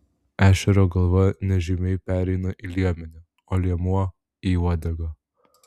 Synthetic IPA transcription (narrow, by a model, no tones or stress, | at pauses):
æːʃʲɛɾoːɡɐlˠʋɐnʲɛʒʲimʲɛɪpʲæːɾʲɛɪnɐʔilʲiɛmʲɛnʲɛ | oːlʲiɛmuɔ | iuɔd̪ʲɛɡo